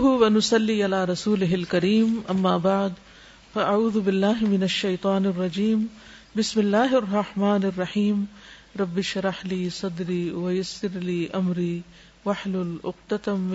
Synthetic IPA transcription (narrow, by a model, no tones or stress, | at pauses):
ɦwɐnʊsɑlːiːʔalaːɾˤɑsuːlɪɦɪlkɐɾiːmʔɐmːaːbaʕd̪ | faʔaʕuːðʊbɪlːaːɦɪmɪnɐʃːɐjt̪ˤɑːnɪrˤːɑd͡ʒiːm | bɪsmɪlːaːɦɑrˤːɑħmaːnɪrˤːɑħiːm | ɾˤɑbːɪʃɾˤɑħliːsˤɑd̪ɾiːwajasːɪɾliːʔɐmɾiː | waħlʊlʔʊ̰q̚t̪at̪m